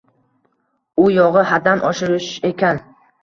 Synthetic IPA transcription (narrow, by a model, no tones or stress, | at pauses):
ʊjɒʁɨhad̪anʔɒʃɪɾɪʃe̞kʲan